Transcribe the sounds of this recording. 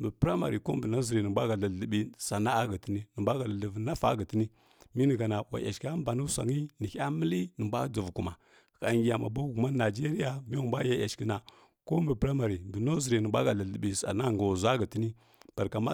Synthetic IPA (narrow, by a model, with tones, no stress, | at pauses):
mbə˨pɾa˦ma̰˨ɾi˨ko˦mbə˨na˦zi˨ɾi˨nə˨bʷa˦ɡa˨la˨ə˨bi˦sa˨na˦a˦ɡa˨ti˦ni˦nə˨ba˦ɡa˨la˨lə˨vna˦fa̰˦ɡə˨ti˦ni˦ | mi˦nə˨ɡa˨na˨wa̰˨ja̰˨ʃka˦m˦ba˨nu˦sa̰˨ŋi˦nə˨ça˦mə˦li˦nə˨mbʷa˦d͡zu˨vku˨ma˨ | ka˨ŋɡʲi˨ja˨ma̰˨ba˦ɡu˨ma˦na˨d͡ʒe˦ɾi˦ja˦mi˦u˨mba˦ja˦ja˨ʃki˦na˨ | ko˦mbə˨pɾa˦ma˨ɾi˨mbə˨no˦zi˨ɾi˨nə˨bʷa˦ɡa˨la˨ə˨bi˨sa̰˨na˦˨ŋɡa˨wza˦ɡə˨ti˦ni˦ | b̥a˨ɾka˨ma˦